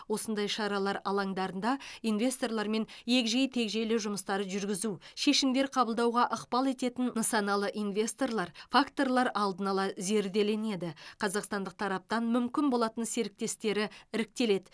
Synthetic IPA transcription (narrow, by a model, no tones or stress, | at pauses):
wo̞sənd̪ɑjʃɑɾɑlˠɑɾɑ̰lˠɑŋd̪ɑɾənd̪ɑinve̞st̪o̞rlˠɑɾme̞nje̞kʲʒejt̪ʰe̞kʒe̞lɪʒʊməst̪ɑɾəʒʏɾɡʲɪzuʃe̞ʃɪmd̪e̞ɾqʰɑbəlˠd̪ɑwʁɑʔəqpɑlˠe̞t̪e̞t̪ɪnnɑsɑnɑlˠəʔinvʲe̞st̪o̞rlˠɑɾfakt̪o̞rlˠɑɾɑlˠd̪ənɑlˠɑze̞ɾd̪e̞le̞ne̞d̪ɪqʰɑzɑqst̪ɑnd̪əq̚t̪ʰɑɾɑp̚t̪ɑnmʏmkʲɪnbo̞lˠɑt̪ənse̞ɾɪk̚t̪e̞st̪e̞ɾɪɪɾɪk̚t̪e̞le̞d̪ɪ